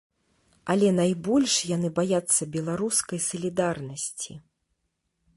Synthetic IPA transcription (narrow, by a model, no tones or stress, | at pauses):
ɐlʲɛnajbɔlʲʂjan̪ɨbajat̪sːɐbʲɛlˠaɾuskɐjsɐlʲid̪arnɐsʲt͡sʲḭ